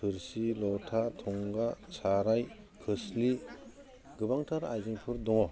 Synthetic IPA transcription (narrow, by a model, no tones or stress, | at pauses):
pʰɯɾsilɔtʰatʰɔŋɡasaɾaj | kʰɯsli | ɡɯbaŋtʰaɾa̰jzɯŋpʰɯɾdɔŋɔ